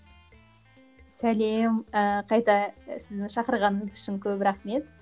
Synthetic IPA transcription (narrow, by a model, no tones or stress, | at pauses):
sæle̞məqʰɑjt̪ɑsɪzd̪ɪŋʃɑqəɾʁɑnəɴəzʏʃɪŋkʲʰɵbɾɑχme̞t̪